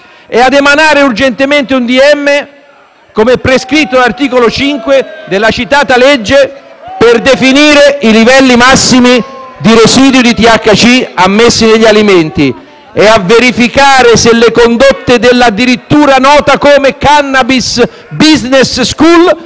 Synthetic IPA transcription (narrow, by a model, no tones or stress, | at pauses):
ɛad̪emanaːɾeurd͡ʒent̪ement̪eund̪iɛmːe | komɛpːɾeskɾit̪ːolart̪iːkolot͡ʃiŋkwed̪elːat͡ʃit̪aːt̪aled͡ʒːeperd̪efiniːɾeilivɛlːimasːimid̪iɾesiːd̪jʊd̪it̪iakːat͡ʃiamːesːineʎːialiment̪i | eavːeɾifikaːɾeselːekond̪ot̪ːed̪elːad̪ːiɾit̪ːuːɾanɔːt̪akoːmekanːabis | biznesskul